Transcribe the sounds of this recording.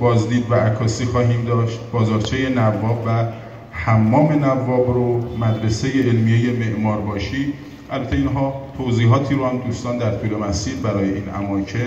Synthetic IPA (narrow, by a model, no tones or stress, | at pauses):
bɒːzd̪iːd̪væʔækʰːɒːsiːxɒːɦiːmd̪ɒːʃt̪̚bɒːzɒːɾt͡ʃʰeje̞nævːɒːbvæ | hæmːɒːme̞nævːɒːbɾomæd̪ɾesejeʔelmijeje̞me̞ʔmɒːɾbɒːʃiː | ʔælbæt̪ʰeinɦɒːt̪ʰoziːɦɒːt̪ʰiːɾohæmd̪uːst̪ɒːnd̪æɾt̪ʰuːle̞mæsiːlbæɾɒːje̞ʔiːnæ̰mɒːcʰen